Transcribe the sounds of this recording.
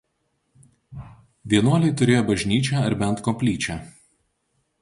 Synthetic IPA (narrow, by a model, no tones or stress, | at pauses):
ʋʲiɛnuɔlʲɛɪt̪ʊɾʲeːjoːbɐʒʲnʲiːt͡ʃʲæːɐɾbʲɛnt̪kɔmpʲlʲiːt͡ʃʲæː